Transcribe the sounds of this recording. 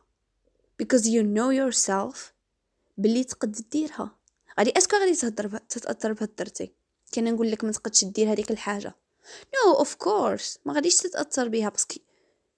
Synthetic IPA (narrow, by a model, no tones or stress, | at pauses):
b̥əkɔzjunojʊɾsɛlf | bəlːit̪qəd̪ːt̪̚d̪iɾhæ̰ | ɣæd̪iʔæʃkuɣæd̪it̪hd̪ɾbt̪ət̪ʔɑ̰t̪ːɑɾˤbhæd̪ːɑɾˤt̪ḭ | kænænɡulːəkmæt̪qɑd̪ʃt̪̚d̪iɾhæd̪ikəlħaʒa̰ | nowʔəfkʰoɾsmæɣæd̪iʃt̪ət̪ʔɑ̰t̪ːɑɾˤbihæbɑski